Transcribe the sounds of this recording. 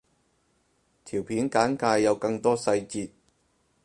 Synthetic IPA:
t̪ʰiː˨˩wpʰiː˨˥nkaː˨˥nkaː˧jːɐ˨˧wkɐ˧ŋt̪ɔː˥sɐ˧jt͡siː˧t̚

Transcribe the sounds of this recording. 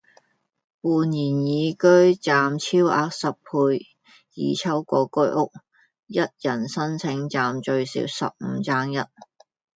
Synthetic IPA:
puː˨˧njiː˨˩njiː˨˧kɵ˥ɥt͡saː˨mt͡sʰiː˥wa̰ː˨˧˥k̚sɐ˨p̚pʰuː˧j | jḭː˨˧t͡sʰɐ˥wkɔː˧kɵ˥ɥʔʊ˥k̚ | jɐ˥t̚jɐ˨˩nsɐ˥nt͡sʰɪ˨˥ŋt͡saː˨mt͡ʃɵ˧ɥsḭː˨˧˥wsɐ˨p̚m̩˨˧t͡saː˥ŋjɐ˥t̚

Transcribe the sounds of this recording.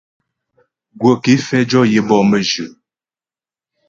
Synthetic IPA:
ɡwə˨ke˨˦fɛ˦d͡ʒɔ˦jə˨bɔ˦˨mə˨ʒʉ˨

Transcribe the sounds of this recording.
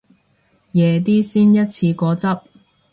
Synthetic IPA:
jɛː˨˧t̪̬iː˥siː˥njɐ˥t̚t͡sʰiː˧kɔː˨˥t͡sɐ˥p̚

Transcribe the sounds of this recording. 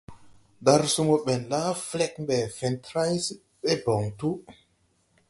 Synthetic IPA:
da˧ɾsu˦mo˨ɓɛ˨nla˦flɛ˦k̚mbɛ˨fɛ˨ntɾa˦js | ɓe˦bɔ˨ŋtu˦

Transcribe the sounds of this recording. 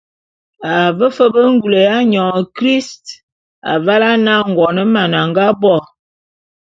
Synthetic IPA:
a˨və˦fə˦bə˦ŋ˦ɡu˨lə˨ja˦ɲɔ˨ŋ˨kɾi˦st | a̰˨va˦la˦na˦ŋ̩˨ɡɔ˨nə˦ma˨na˨ŋɡa˦bɔ˦˨

